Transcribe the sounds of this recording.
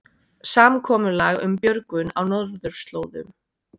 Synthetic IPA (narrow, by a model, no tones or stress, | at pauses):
saːmkʰɔːmʏlaɣʏ̰mpjœɾkʏna̰wnɔðɾðʏɾ̥st̪loːwðʏ̰m